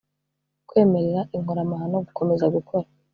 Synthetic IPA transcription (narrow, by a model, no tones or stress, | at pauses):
kwe̞ːme̞ɾeɾaʔiŋoɾamaɦanoɡuko̞me̞zaɡukʰo̞ɾa